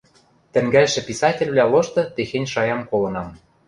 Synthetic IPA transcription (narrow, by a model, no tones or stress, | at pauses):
t̪ɘ̆ŋɡælʃɘ̆pisɑtʲĕlʲβlʲæloʃt̪ɤ̆t̪exenʲʃɑjɑmkolɤ̆nɑm